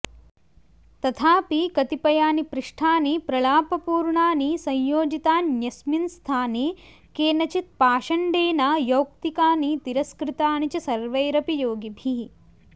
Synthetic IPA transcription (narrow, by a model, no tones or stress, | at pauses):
t̪ɐt̪ʰaːpikɐt̪ipɐjaːnipɾɪʂʈʰaːnipɾɐɭaːpɐpuːɾɳaːnisɐjjoːd͡ʒit̪aːnjɐsminst̪ʰaːniː | keːnɐt͡ʃit̪̚paːʃɐɳɖeːnaːjɐwkt̪ikaːnit̪iɾɐskɾɪt̪aːnit͡ʃɐsɐɾʋɐjɾɐpijoːɡibʱi